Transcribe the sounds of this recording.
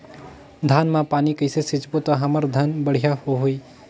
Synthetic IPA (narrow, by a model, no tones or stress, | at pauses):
d̪ʱaːnmãpaːnikəɪsesɪt͡ʃpot̪ɔɦəməɾd̪ʱənbəɽ̤ijahoɦoi